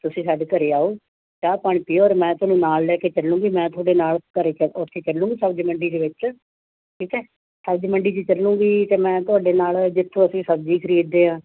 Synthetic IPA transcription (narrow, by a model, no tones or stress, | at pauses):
t̪ʊsĩːsaːɖeːk̪əɾeːaːoː | kaːpəɳ̃pɪjoːɔːɾmɛ̃ːt̪ʊaːnũːnaːllɛːkeːt͡ʃəlːũːɡiːmɛ̃ːt̪ʊaːɖeːnaːlkəɾeːkʊt̪ʰːeːt͡ʃəlːũːɡiːsəbd͡ʒməɳɖiːd̪eːʋɪt͡ʃ | ʈʰiːkɛː | səbd͡ʒməɳɖiːd͡ʒiːt͡ʃəlːũːɡiːt̪eːmɛ̃ːt̪ʊaːɖeːnaːld͡ʒɪt̪ʰːõːəsĩːsəb̚d͡ʒiːkʰəɾiːɖd̪eːãː